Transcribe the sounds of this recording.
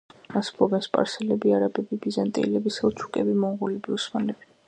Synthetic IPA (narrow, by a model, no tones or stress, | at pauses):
asbʰɔbɛnspʼa̰ɾsɛlɛbiaɾabʼɛbibizant̪ʼḭːlɛbisalˠt̪t͡ʃʰu̥kʼɛbimɔuʁulɛbiusmanlɛb̥i̥